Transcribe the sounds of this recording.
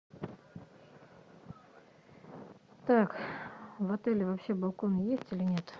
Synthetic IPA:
t̪ak | vɐt̪ɛlʲɪvɐpɕebɐlˠkonjesʲtʲilʲɪnʲet̪

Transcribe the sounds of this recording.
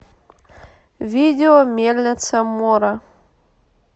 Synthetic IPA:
vʲidʲeomʲelʲnʲet̪sɐmoɾa

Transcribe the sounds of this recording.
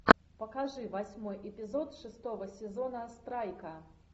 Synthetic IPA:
pɐkaʐɨvasʲmɔjʔɛpʲizɔt̪ʂɨst̪ɔvɐsʲɛzɔnɐst̪ɾajkɐ

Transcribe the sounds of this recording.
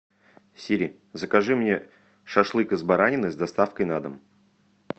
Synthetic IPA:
sʲiɾʲɪ | zəkɐʐɨmnʲe | ʂɐʂlˠɨkəzbaɾanʲɪnɨzd̪ɐst̪afkəjnad̪əm

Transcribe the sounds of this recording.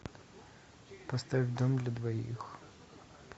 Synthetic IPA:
pɔst̪aʋʲwd̪ɔmd̪lʲɐd̪ʋɔjḭx

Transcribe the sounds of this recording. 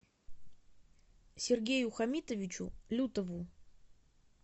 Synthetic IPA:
sʲɪrɡʲejʊxɐmʲit̪əvʲɪt͡ɕʊ̰lʲut̪əvʊ

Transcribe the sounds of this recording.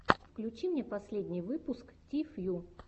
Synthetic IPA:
fklʲʉt͡ɕimnʲepɐsʲlʲedʲnʲɪjvɨpʊsktʲifju

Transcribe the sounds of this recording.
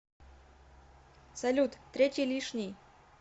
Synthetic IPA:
sɐlʲut̪t̪ːɾʲetʲijlʲiʂnʲij

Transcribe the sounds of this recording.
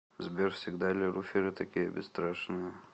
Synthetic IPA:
zbʲerfsʲɪɡd̪alʲɪɾufʲiɾɨt̪ɐkʲijəbʲɪsːt̪ɾaʂnɨjə

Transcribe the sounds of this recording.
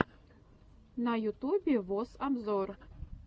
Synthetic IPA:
nɑjut̪ubʲevosamzor

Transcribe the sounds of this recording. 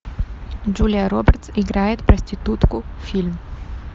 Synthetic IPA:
d͡ʒulʲɪjəɾobʲɛrt̪sɪɡɾajɪt̪pɾɐsʲtʲɪt̪ut̪kʊfʲilʲm

